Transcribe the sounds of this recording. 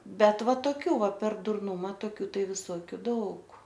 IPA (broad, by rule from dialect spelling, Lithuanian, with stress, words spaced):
ˈbʲɛt ˈʋɐ toːˈkʲuː ˈʋɐ pʲɛr dʊrˈnʊmɐ toːˈkʲuː ˈtɐɪ ʋʲɪˈsoːkʲʊ ˈdɐʊk